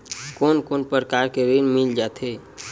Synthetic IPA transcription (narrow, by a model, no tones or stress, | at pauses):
koːnkonpəɾəkaɾkeɾinmild͡ʒat̪e